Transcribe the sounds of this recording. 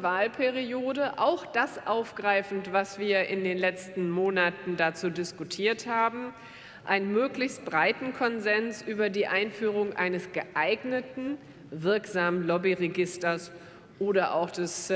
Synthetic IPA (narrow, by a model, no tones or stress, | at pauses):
vaːlpʰɛʁioːdəʔa̰ʊxd̥asʔaʊfɡ̥ʁaɪfn̩tv̥asv̥iːɐʔɪndeːnlɛt͡stn̩moːnatn̩dat͡suːdɪskutʰiːɐthaːbm̩ | ʔa̰ɪnənmøːklɪçst̚b̥ʁaɪtn̩kʰɔnzɛnsʔyːbɐdiːʔaɪnfyːʁ̞ʊŋʔa̰ɪnəsɡ̥əʔaɪɡnətn̩ | vɪɐkz̥aːmənlɔbiʁeɡɪstɐs | ʔoːɾɐʔa̰ʊxd̥ɛs